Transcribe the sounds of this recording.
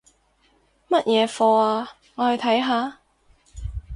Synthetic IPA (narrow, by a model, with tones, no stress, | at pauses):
mɐ˥t̚jɛː˨˧fɔː˧aː˧ | ŋɔː˨˧hɵ˨˧ɥt̪ʰɐ˨˥jɦaː˨˧